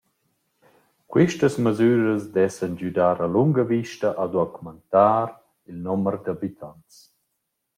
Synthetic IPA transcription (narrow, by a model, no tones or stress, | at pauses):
kwiʃtəsməzyːɾəzd̪ɛsənd͡ʒyd̪aːɾaluŋɡəviʃtəʔad̪wakumənt̪aːɾ | ilnɔməɾd̪abit̪ʰants